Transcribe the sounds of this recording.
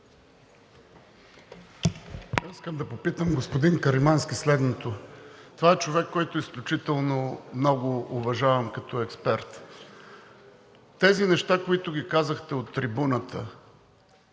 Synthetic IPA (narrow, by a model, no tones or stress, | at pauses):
iskəmd̪ɐpopit̪əmɡospʊd̪inkɐɾimanskʲislɛd̪not̪ot̪ovaɛt͡ʃovɛkːɔjt̪ʊisklʲʊt͡ʃit̪ɛlˠnomnɔɡʊʊvɐʒavəmkɐt̪ɔɛkspɛɾt̪ | t̪ɛzinɛʃt̪akoit̪ʊɡʲikazəxt̪ɛot̪ːɾibunət̪ʰə